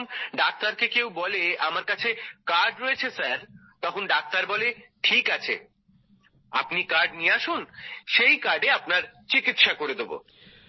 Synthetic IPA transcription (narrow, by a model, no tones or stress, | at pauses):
nɖak̚t̪aɾkekewbɔleamaɾkat͡ɕʰekaɾɖɾojet͡ɕʰesaɾt̪ɔkʰonɖak̚t̪aɾbɔleʈʰikat͡ɕʰḛ | a̰pnikaɾɖnieaʃunʃejkaɾɖeapnaɾt͡ɕikit̪ʃakoɾed̪ebo̰